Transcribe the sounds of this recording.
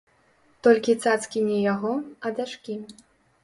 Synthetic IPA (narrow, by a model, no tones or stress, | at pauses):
t̪ɔlʲkʲit̪sat̪skʲinʲɛjaɣɔɐd̪ʲaʂkʲi